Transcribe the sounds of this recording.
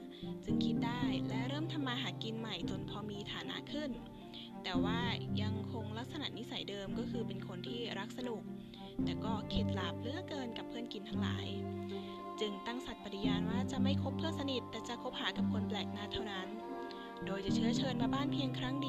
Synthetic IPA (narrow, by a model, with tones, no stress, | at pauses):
t͡ɕɯ˧ŋkʰi˦˥t̪̚daː˥˩jlɛ˦˥ɾɤː˥˩mt̪ʰa˧mːaː˧ɦaː˩t̪̚ki˧nma˨˩jt͡ɕo˨˩˦npʰɔː˧miː˧t̪ʰaː˩˦na̰˧˥kʰɯ˥˩n | t̪ɛː˨˩waː˥˩ja˧ŋkʰo˧ŋla˦˥k̚sa˧na̰˨˩ni˦˥sa˩˦jdɤː˧mkɔː˥˩kʰɯː˧pe˧nkʰo˧nt̪ʰiː˥˩ɾa˦˥k̚sa˧nu˨˩k̚ | t̪ɛː˨˩kɔː˥˩kʰe˨˩t̪̚la˨˩p̚lɯ˦˥ɐkɤː˧nka˨˩pʰːɯː˥˩ənki˧nt̪ʰa˦˥ŋla̰ː˩˦j | t͡ɕɯ˧ŋt̪a˥˩ŋsa˨˩t̪̚pa˨˩i˧˥jaː˧nwaː˥˩t͡ɕa˨˩ma˥˩jkʰo˦˥pʰːɯ˥˩sa˧ni˨˩t̪ːɛː˨˩t͡ɕa˨˩kʰo˦˥p̚haː˩˦ka˨˩p̚kʰo˧nplɛː˨˩k̚naː˧˥˩t̪ʰːa˥˩wna˦˥n | doː˧jt͡ɕa˨˩t͡ɕʰɯ˥˩ɐt͡ɕʰɤː˧nwaː˥˩baː˥˩npʰi˧əŋkʰɾa˦˥ŋdi˧